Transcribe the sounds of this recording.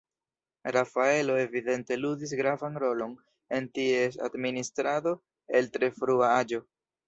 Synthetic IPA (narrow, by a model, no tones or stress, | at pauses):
ɾafae̞lo̞e̞vide̞nte̞ludis̬ɡɾavanɾo̞lo̞n | e̞ntie̞sa̰dministɾado̞ | e̞ltɾe̞fɾuaad͡ʒo̞